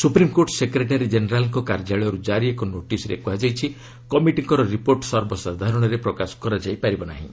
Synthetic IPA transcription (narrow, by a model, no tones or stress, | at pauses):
supɾimkoɾʈsekɾeʈaɾid͡ʒeneɾalɔŋkɔkaɾd͡ʒaɭɔɾud͡ʒaɾiekɔnoʈisɔɾḛkɔɦad͡ʒajt͡ʃʰi | kɔmiʈiŋkɔɾɔɾipoɾʈɔsɔɾbʱɔsad̪ʱaɾɔɽ̃ɔɾepɾɔkasɔ̥kɔɾad͡ʒajpaɾibɔna̰ɦḭ̃